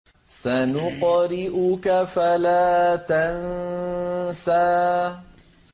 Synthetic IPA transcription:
sanʊqɾɪʔʊkafalaːt̪an | saː

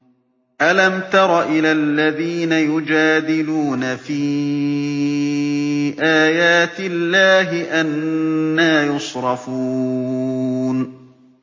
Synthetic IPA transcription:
ʔalamt̪ɑɾˤɑʔɪlalːaðiːnajʊd͡ʒaːd̪ɪluːnafiː | ʔaːjaːt̪ɪlːaːɦɪʔanːaːjʊsɾˤɑfuː | n

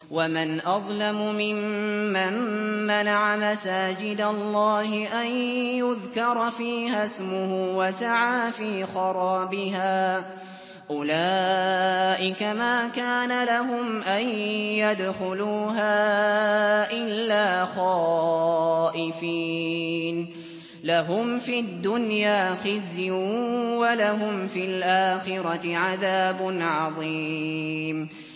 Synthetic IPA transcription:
wamanʔɑðˤlamʊmɪmːamːanaʕamasaːd͡ʒɪd̪alˤːɑːɦɪʔanjʊðkɑɾˤɑfiːhasmʊhʊwasaʕaːfiːxɑɾˤɑːbɪɦaː | ʔʊlaː | ʔɪkamaːkaːnalaɦʊmʔanjad̪xʊluːɦaː | ʔɪlːaːxɑː | ʔɪfiːn | laɦʊmfid̪ːʊnjaːxɪz | walaɦʊmfilʔaːxɪɾɑɪʕaðaːbʊnʕɑðˤiːm

